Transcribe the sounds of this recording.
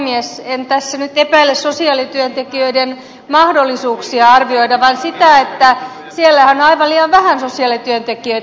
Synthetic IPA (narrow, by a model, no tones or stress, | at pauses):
miesent̪æsːænyt̪epæilːessosiɑːˑlit̪yønt̪ekiøiden | mɑhdolːisuːksiɑɑrʋioidɑʋɑnsit̪æet̪ːæ | sielːæhænɑiʋɑliːɑʋʋæhænsosiɑːˑlit̪yønt̪ekiø